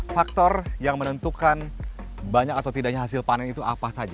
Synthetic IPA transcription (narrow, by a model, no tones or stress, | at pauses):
fak̚t̪ɔrjaŋmənənt̪ukan | baɲakat̪awt̪idaʔɲaɦasɪlpanɛnit̪uʔapasad͡ʒa